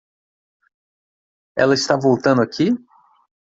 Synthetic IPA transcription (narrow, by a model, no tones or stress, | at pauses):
ɛ̰lɐɪst̪avowt̪ɐ̃nd̪ʊakʰi